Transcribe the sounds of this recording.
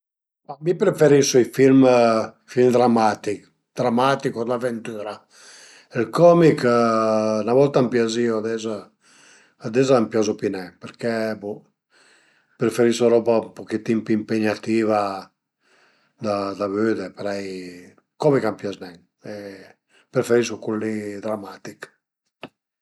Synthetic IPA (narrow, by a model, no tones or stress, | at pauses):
amipɾefeɾisoifilm | filmd̪ɾamːat̪ik | d̪̥ɾamat̪ikod̪avent̪yːɾa | ɛlkɔmik | navɔlt̪ampjazioad̪ɛzaː | d̪ɛzaːmpjazupinɛpeɾkɛbu | pɾefeɾisoɾɔbaumpokit̪ːimpimpeɲat̪iːva | d̪ad̪avød̪epeɾɛj | kɔmikampjaznɛŋ | ɛ | pɾefeɾisukulːid̪ɾamat̪ik